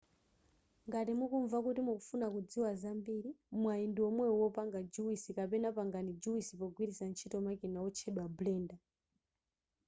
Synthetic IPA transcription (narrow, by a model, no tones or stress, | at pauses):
ŋɡatimukuɱvakutimukufunakud͡ziwazambiɾimwaindiwɔmwɛwɔpaŋɡad͡ʒuwisikapɛnapaŋɡanid͡ʒuwisipɔɡwiɾisant͡ʃʰitɔmakinawɔt͡ʃʰɛɗwablɛːnda